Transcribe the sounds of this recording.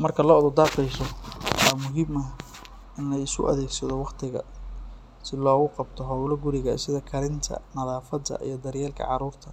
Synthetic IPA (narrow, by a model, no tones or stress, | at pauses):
mɐrkʰɐlɔːɔðʊd̪aːqɛjsɔwɑːmʊɦimɐ | ʔɪnlɛjɪskʊ̰ʔɐ̰ðɛːɡsɐðɔwɑqt̪ʰɪɣɐ̰ | sɪlɔːɣʊqɑb̚t̪ʰɔɦɐwlɐɡʊɾɪɣɐsɪðɐkʰɐɾɪnt̪ʰɐ̰nɐðaːfɐd̪ɐ̰ʔḭjɞd̪ɐrjɛːlkʰɐ̰ʕɑ̰ɾuːrt̪ʰɐ